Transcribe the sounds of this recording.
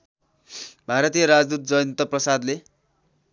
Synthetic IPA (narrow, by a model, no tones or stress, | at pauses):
bʱaɾʌt̪ijʌɾad͡zd̪ut̪̚d͡zʌjnt̪ʌprʌsad̪le